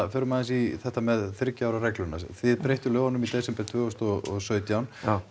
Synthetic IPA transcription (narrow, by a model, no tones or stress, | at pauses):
fœːɾʏmaːðɪnsiθɛht̪ːamɛðθɪɾcaːwɾarɛklʏna̰sθɪðpɾejht̪ʏlœːvanːʏmit̪ɛsɛmpɛ̥t̪ʰvœːɣɔst̪ɔɣɔɣsœːɥt̪jawn